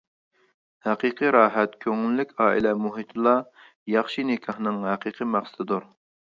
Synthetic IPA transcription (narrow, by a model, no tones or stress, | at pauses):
hæqiqʰɨɾɑːɦɛt̪kʲʰøŋylːykʲɑːḭlɛmuɦit̪ʰɨlˠɑ | jɑχʃinɪkʲʰɑhnɨŋɦæqʰiqʰɨmɑχsɨ̥d̪ɨd̪uɾ